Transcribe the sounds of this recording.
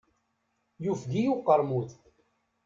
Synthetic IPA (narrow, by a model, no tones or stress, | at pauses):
jufɡ̪ijuqːəɾˤmuθ